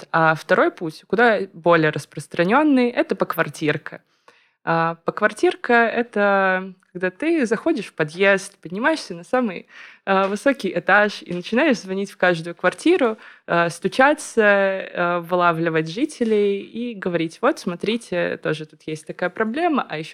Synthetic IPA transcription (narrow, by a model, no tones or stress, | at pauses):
aft̪ɐɾo̞jputʲkʊd̪abo̞lʲɪjəɾʔəspɾəst̪ɾɐnʲo̞nːɨjʔɛt̪əpəkvɐrtʲirkə | apəkvɐrtʲirkəɛt̪əkɐɡd̪at̪ɨzɐxodʲɪʂfpɐd̪jest̪pədʲnʲɪmajɪʂsʲənɐsamɨjavɨso̞kʲɪjʔɪt̪aʂḭnət͡ɕɪnajɪʂzvɐnʲitʲfkaʐd̪ʊjʊkvɐrtʲiɾʊast̪ʊt͡ɕat̪sə | vɨlˠavlʲɪvətʲʐɨtʲɪlʲɪjiɡəvɐɾʲitʲvo̞t̪smɐt̪ɾʲitʲɪt̪o̞ʐɨt̪ut̪jesʲt̚ʲt̪ɐkajəpɾɐblʲe̞məʔɐjɪɕː